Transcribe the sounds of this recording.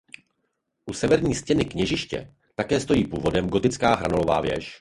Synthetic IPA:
ʔusɛvɛɾɲiːscɛnɪkɲɛʒɪʃcɛ̰ | t̪akɛːst̪o̞jiːpuːvo̞dɛmɡo̞t̪ɪt͡skaːɦɾa̰no̞lo̞va̰ːvjɛ̰ʃ

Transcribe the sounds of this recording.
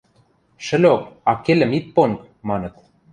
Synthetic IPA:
ʃə̆lʲok̚ɑkelʲɘ̆mit̪̚ponk | mɑnɤ̆t̪

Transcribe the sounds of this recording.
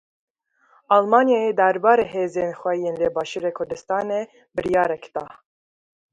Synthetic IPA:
ʔɑlmɑːnjɑed̪aɾbɑːɾeːɦeːzeːnxʷɛjeːnleːbɑːʃuɾekʰʊɾd̪ɨst̪ɑːne | bɨɾjɑːɾɛkd̪ɑ

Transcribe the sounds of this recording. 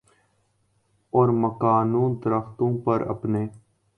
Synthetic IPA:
ɔːɾməkaːnũːnd̪əɾəxt̪õːpəɾə̰pneː

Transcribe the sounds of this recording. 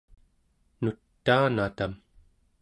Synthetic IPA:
nut̪ːaːnat̪am

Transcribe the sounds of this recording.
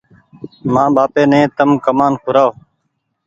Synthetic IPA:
mãːɓaːpeːnẽːt̪əmkəmaːnkʰʊɾaːo

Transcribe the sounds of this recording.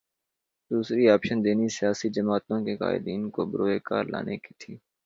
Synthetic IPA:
d̪uːsɾiaːpʃənd̪eːnisɪjaːsid͡ʒəmaːt̪õkeka̰ːɪ̰d̪iːnkobɾoːekaːɾla̰ːnekit̪ʰiː

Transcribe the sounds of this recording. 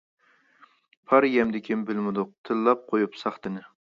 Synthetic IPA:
pʰɑɾjɛmd̪ɪkʲʰimbɪlmɪd̪ʊq̚t̪ʰɨlːɑp̚qʰojupsɑχt̪ɨnɪ

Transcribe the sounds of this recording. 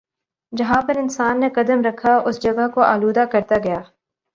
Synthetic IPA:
d͡ʒɐɦãpɐɾɪnsaːnːekɐd̪əmɾɐkʰaʊsd͡ʒɐɡaɦkoʔaːluːd̪akɐɾt̪aɡɐjaː

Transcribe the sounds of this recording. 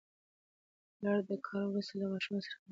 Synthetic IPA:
lɑɽd̪əkʰɑɾwɾust̪alamɑʃumsə̥ɾa

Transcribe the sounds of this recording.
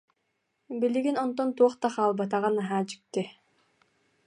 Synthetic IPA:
biliɡinɔnt̪ɔnt̪uɔχt̪aχaːlˠbat̪̬aʁanaɦaːt͡ɕy̥k̚t̪i

